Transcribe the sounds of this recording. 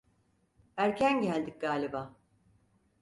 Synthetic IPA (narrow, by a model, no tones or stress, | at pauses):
æɾcʰænɟælʲd̪ic̚ɡaːlʲibaː